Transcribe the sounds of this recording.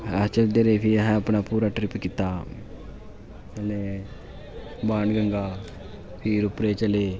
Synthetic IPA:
ɐt͡ʃɐld̪eɾefiɦaːpːɐnɐpuːɾaʈɾipːikit̪ːa | ɐle | baːɳɡɐŋɡaː | pʰiːɾupɾeːt͡ʃɐle

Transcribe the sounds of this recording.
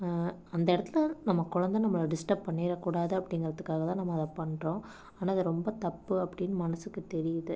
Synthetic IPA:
ɐnd̪ɐɛɽɐt̪ːɯlɐnɐmːɐkʊɻɐnd̪ɐ̃nɐmːɐɭɖɪsʈɐb̚pːɐɳːiːɾɐkuːɽaːðɯɐpːɐɽɪŋɡɐɾɐðɯkːaːɣɐt̪ãːnɐmːɐðɐpɐɳɖrõː | aːnaːɐðɯɾɔmbɐt̪ɐpːɯɐpːɐɽɪnːɯmɐnɐsɯkːɯt̪ɛɾɪjɐðɯ

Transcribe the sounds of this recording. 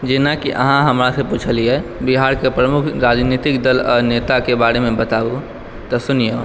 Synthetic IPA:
d͡ʒenakiʔə̰ɦãɦəmɾaseput͡ʃʰəliɛbiɦaɾkepɾəmukʰɾad͡ʒnit̪ikd̪əlɔːɾnet̪akebaɾemẽbət̪au | t̪ɔsunijo

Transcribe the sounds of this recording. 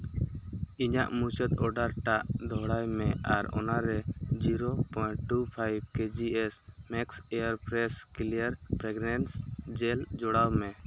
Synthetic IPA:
iɲa̰ʔmut͡ʃət̪ɔɖaɾʈaʔd̪ʱɔɽajmɛʔaɾɔ̰naɾɛd͡ʒiɾopɔjʈupʰajb̚ked͡ʒiɛs | mɛksɛaɾpɾɛskiliaɾpɾɛɡnɛnsd͡ʒɛld͡ʒɔɽawmɛ

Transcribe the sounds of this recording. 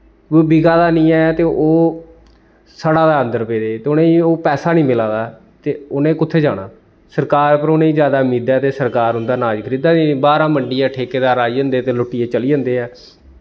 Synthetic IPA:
biɡaːd̪aːnĩːɛːt̪eːʔoː | saɽaːd̪aːənd̪əɾpeːd̪eːt̪eːʊnẽːioːpɛːsaːnĩːmɪlãːd̪aːɛ | t̪eːʊnẽːkʊt̪ʰːeːd͡ʒaːɽaː | səɾkaːɾpəɾoːnẽːiːzjaːd̪aːʊmiːd̪ɛːt̪eːsəɾkaːɾɦʊ̃nd̪aːnaːd͡ʒkʰəɾiːd̪aːnĩːbaːɾãːməɳɖijãːʈʰeːkeːd̪aːɾaːiːə̃nd̪eːt̪eːlʊʈːiːeːt͡ʃəliːd͡ʒənd̪eːɛː

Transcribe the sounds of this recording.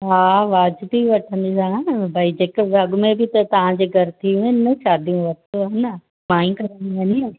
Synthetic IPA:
ɦaːʋaːd͡ʑt̪iʋɐʈʰə̃nd̪sãbʱaːid͡ʑeːkɐɠʊmẽbɪt̪ɐt̪ɐʋ̤ãd͡ʑeːɡʱɐɾt̪ʰiũɪnəʃaːd̪ʱijũʋɐt̪oaːnə | maːĩkɐɾə̃niʋɐɲia

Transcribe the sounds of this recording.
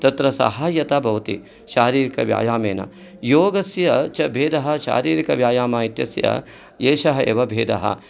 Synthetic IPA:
t̪ɐt̪ɾɐsɐ̰ɦaːjɐt̪aːbʱɐʋɐt̪ḭ | ʃaːɾiːɾikɐ̰ʋja̰ːjaːmeːnɐ̰ | joːɡɐsjɐt͡ʃɐbʱeːd̪ɐɦɐ̆ʃa̰ːɾiːɾikɐʋjaːjaːmaːit̪jɐ̰sjɐ̰ | eːʃɐɦɐḛːʋɐbʱeːd̪ɐ̰ɦɐ̰

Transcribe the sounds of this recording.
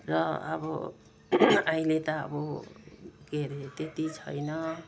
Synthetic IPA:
ɾʌa̰bʌ̰ | ajlet̪ʌʌ̰bu | keɾet̪et̪it͡sʰʌ̰jnʌ

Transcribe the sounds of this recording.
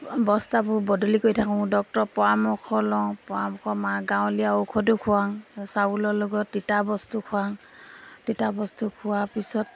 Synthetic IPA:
bɔstabʊbɔdɔlikojtʰakʊ̃dɔk̚tɔpɔamɔkʰɔlɔŋpɔamɔkʰɔmaɡãw̃lijaokʰɔdukʰʊwaŋsaulɔlɔɡɔt̚ːitabɔstukʰʊaŋ | ditabɔstukʰʊwapisɔt̚

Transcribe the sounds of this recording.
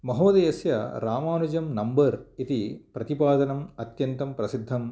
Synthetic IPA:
mɐɦoːd̪ejɐsjɐɾaːmaːnud͡ʒɐmnɐmbɐɾit̪ipɾɐt̪ipaːd̪ɐnɐmɐt̪jɐnt̪ɐmpɾɐsid̪ʱːɐm

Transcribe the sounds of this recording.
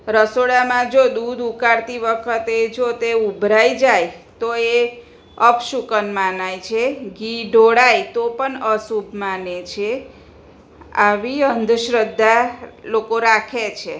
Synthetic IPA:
ɾəsoɽamãd͡ʒod̪ud̪ukaɾt̪iʋəkʰət̪ed͡ʒot̪eubʱɾajd͡ʒajt̪oe | əpʃukənmanajt͡ʃʰeɡiɖʱoɽajt̪opəɳəsubmanet͡ʃʰe | a̰ʋiənd̪ʱʃɾəd̪ːalokoɾakʰet͡ʃʰe

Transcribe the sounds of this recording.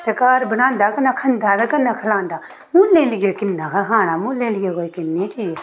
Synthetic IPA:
t̪ekaːɾbənãːnd̪akənakʰɐnd̪at̪ekɐnːakʰəlãːnd̪aː | mũːlːeːliɡekɪnːãkɐɦãːñaːmũːlẽliɡekoikɪnːit͡ʃiː

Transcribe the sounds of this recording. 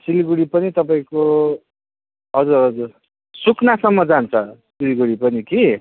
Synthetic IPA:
siliɡuɽipʌnit̪ʌpaĩko | ɦʌd͡zuɾɦʌd͡zur | sukʰnasʌmːʌd͡zant͡sʰʌsiliɡuɽipʌniki

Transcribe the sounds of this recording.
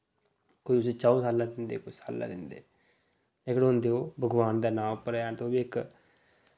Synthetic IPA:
koːiʊset͡ʃaːosaːlãːd̪ɪnd̪eːkoisa̰ːlːa̰ːd̪ɪnd̪ḛː | leːkɽɦʊ̃nd̪eːoːbʱəɡʋaːnd̪aːnãːmpəɾaːt̪oːbiːɪk

